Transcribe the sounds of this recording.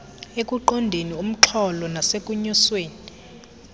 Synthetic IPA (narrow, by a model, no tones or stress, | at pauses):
ek̬ʼuǃɔndʱenium̩ǁʰɔlɔnasekʼuɲɔsweːnii